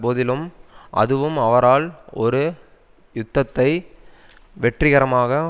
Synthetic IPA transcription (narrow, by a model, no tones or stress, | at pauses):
poːðɪlɯmɐ̰ðɯʋɯmɐʋɐɾaːlɔɾɯ | jʊt̪ːɐt̪ːɐɪ | ʋɛʈrɪɣɐɾɐmaːɣɐ